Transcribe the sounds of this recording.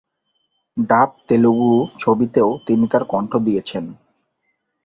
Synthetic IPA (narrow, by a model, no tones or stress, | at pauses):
ɖap̚t̪elobut͡ɕʰobit̪eot̪init̪aɾkɔɳʈʰod̪ijet͡ɕʰen